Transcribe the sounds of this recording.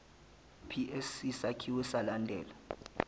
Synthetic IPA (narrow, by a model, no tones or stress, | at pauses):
pʰiʔesisakʰiwɛsalandʱɛ̰ːla